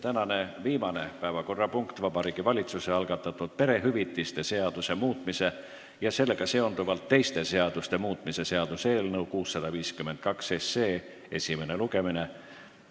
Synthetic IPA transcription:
t̪ænɑne̞viːmɑne̞pæevɑko̞rːɑpuŋkt̪vɑbɑɾiːɡ̥ivɑlʲit̪suse̞ɑlɡ̥ɑt̪ːˑɑt̪ːˑud̪̥̚pe̞ɾe̞ɦyvit̪ˑːist̪e̞se̞ɑd̪̥use̞muːt̪ˑmise̞ | jɑse̞lːe̞ɡ̥ɑse̞o̞nd̪uvɑlt̪ːe̞jst̪e̞se̞ɑd̪̥ust̪e̞muːt̪ˑmise̞se̞ɑd̪̥use̞ːlnɤukuːsːɑd̪̥ɑviːskymːe̞nd̪̥̚kɑkse̞sːe̞ː | e̞sʲime̞ne̞luɡe̞mine̞

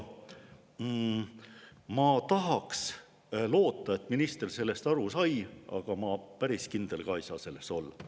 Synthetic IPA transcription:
mɑt̪ɑɦɑks | lo̞ːt̪ːˑɑe̞t̪ːminist̪erse̞lːe̞st̪ɑɾusɑjʔɑ̰ɡ̥ɑmɑpæɾiskind̪̥e̞lkɑjsɑ̰se̞lːe̞st̪o̞lː

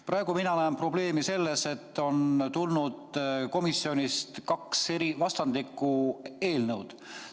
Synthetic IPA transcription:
pɾʔɑeɡ̥uminɑnæːmpro̞ble̞ːmise̞lːe̞se̞t̪ːo̞nt̪ulnud̪ko̞misio̞nʲist̪kɑkseɾivɑst̪ɑnd̪̥ikːˑue̞ːlnɤwd̪̥

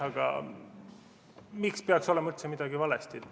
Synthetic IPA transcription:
ɑɡ̥ɑ̰ | mikspeɑkso̞lemɑylt̪se̞mid̪̥ɑɡivɑlest̪id̪

